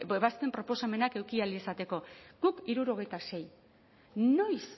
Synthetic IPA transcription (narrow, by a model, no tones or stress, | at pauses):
eβast̪e̞mpɾo̞po̞same̞nake̞wkialie̞sat̪e̞ko̞ɡukiɾuɾo̞ɣ̞e̞jt̪ase̞j | no̞js